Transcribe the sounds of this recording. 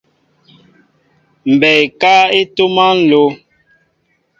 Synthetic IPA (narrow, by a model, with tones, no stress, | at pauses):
m̩˨bɛ˨jka˦e˦to˦ma˦n̩˦˨lo˦